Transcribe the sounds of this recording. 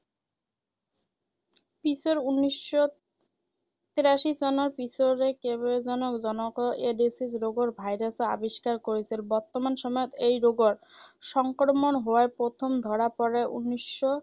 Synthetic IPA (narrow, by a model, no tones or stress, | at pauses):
pisoɾunːiʃːo | t̪iɾaʃit͡ɕɔnoɾpisoɾekeboed͡ʑɔnokd͡ʑɔnokoʔeɖisisɾoɡoɾbʱajɾasoa̰biʃkaɾkoɾet͡ɕʰilbɔɾt̪omanʃɔmɔjot̪ejɾoɡoɾʃɔŋkɾmonɦoaɾpɾot̪ʰomd̪ʱɔɾapɔɾeʔṵnːiʃːo